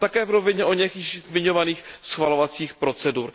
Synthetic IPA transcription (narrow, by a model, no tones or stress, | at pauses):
t̪akɛːvɾovɪɲɛʔo̞ɲɛkiːʃzmɪɲovaniːxsxvalovat͡siːxpɾo̞t͡sɛduɾ